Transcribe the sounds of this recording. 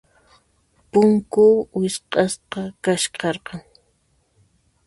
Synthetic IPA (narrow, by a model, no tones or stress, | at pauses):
pʊŋkʊwɪsqɑsqɑkaʃqɑɾqɑŋ